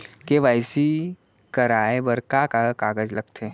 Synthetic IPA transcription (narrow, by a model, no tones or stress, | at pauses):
keʋaːɪsi | kɐɾaːebɐɾkakakaːɡəd͡ʒlɐɡt̪ʰe